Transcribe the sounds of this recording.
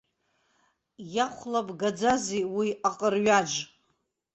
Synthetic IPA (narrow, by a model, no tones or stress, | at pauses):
jaχʷlapʼɡad͡zaziwiaqʼərɥad͡ʒ